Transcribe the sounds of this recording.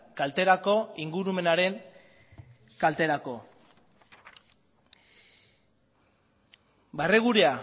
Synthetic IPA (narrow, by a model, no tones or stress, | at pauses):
kalt̪e̞ɾako̞iŋɡuɾume̞naɾe̞ŋ | kalt̪e̞ɾako̞ | bareɣuɾea